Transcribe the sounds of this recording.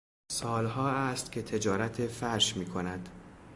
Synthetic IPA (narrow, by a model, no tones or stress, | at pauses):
sɒːlɦɒːæst̪cʲʰe̞t̪ʰe̞d͡ʒɒːɾæt̪ʰefæɾʃmiːkʰo̞næd̪̥